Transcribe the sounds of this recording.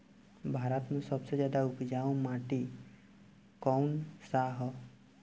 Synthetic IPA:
bʱaːɾət̪mẽsəbsed͡ʒjaːd̪aʊpd͡ʒaõmaʈi | kɔwnsaɦɔ

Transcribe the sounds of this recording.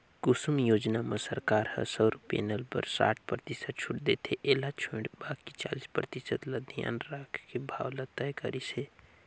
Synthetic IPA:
kusumjod͡ʒnamesəɾkaɾhə̰səɾupḛnəlpə̰ɾsa̰ʈ̚ʰpɾət̪isəd̪̚t͡ʃʰuʈd̪et̪ʰeʔelat͡ʃʰuɽbakit͡ʃa̰lispɾə̰t̪isəd̪ləd̪ʱija̰nɾakʰkebʱa̰wlət̪əjkə̰ɾit͡ʃʰɛ

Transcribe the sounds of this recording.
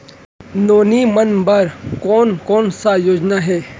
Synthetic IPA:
noːnimɐnbɐɾkɔːnkɔːnsajoːd͡ʒnaɦɛː

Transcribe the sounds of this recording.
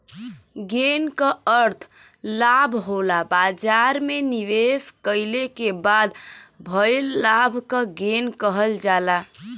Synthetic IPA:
ɡenkəəɾt̪ʰ | labʱɦolabad͡ʒaɾmeniʋeskəɪlekebad̪bʱəjlːabʱkəɡenkəɦəld͡ʒala

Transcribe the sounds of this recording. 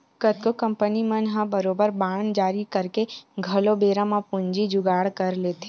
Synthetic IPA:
kət̪̚kokə̃mpənimənɦə̃bəɾoːbəɾbaːɳd͡ʒaːɾikɐɾkeɡʱɐlobeːɾə̃mapʊɲd͡ʒid͡ʒʊɡaːɽkɐɾleːt̪e

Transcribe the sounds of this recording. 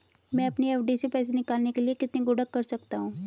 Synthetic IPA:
mɛ̃ːɐpniɛːfʰɖisepɛːs̬enɪkaːlnekeliekɪt̪niɡʊɽəkːɐɾsɐkt̪aɦũː

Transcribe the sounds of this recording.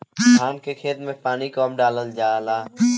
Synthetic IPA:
kʰaːnkekʰeːt̪mẽpaːnikɔːmɖaːləld͡ʒaːlaː

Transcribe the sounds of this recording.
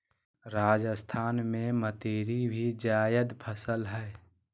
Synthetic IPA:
ɾaːd͡ʒəst̪ʰaːnmẽmət̪eːɾibʱid͡ʒaːjəd̪pʰəsəlɦɛː

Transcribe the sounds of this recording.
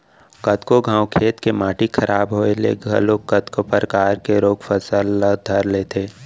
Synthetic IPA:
kɐt̪koɡʱãːwkʰeːt̪kemaːʈikʰɐɾʔaːbɦoːelḛɡʱɐ̰loːkət̪kopəɾkaːɾkeɾoːɡfəsəlːad̪ʱəɾleːt̪ʰeː

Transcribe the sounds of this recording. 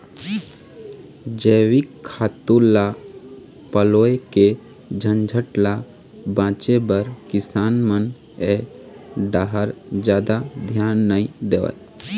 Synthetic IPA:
d͡ʒeːwikʰːaːt̪ula | pəloːeke | d͡ʒʱənd͡ʒʱəʈla | bãːt͡ʃebəɾkɪsaːnmən | e | ɖaːɦəɾd͡ʒjaːd̪ad̪ʱjaːnːəĩd̪eːʋə̰

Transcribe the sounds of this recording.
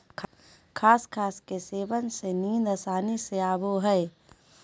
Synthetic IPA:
kʰ | kʰaːskʰaːskeseːbənseniːnd̪əsaːniseaːboɦɛe

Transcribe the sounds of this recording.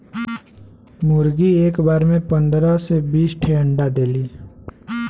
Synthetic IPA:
muɾɡiekbaɾmẽpənd̪ɾəsebisʈʰeɦəɳɖad̪eli

